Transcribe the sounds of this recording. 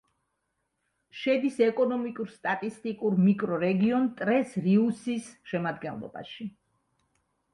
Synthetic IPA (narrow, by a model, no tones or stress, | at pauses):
ʃɛd̪isɛkʼɔnɔmikʼuɾst̪ʼat̪ʼist̪ʼikʼuɾmikʼɾɔɾɛɡiɔnt̪ʼɾɛsɾiusisʃɛmad̪ɡɛnlˠɔ̰ba̰ʃi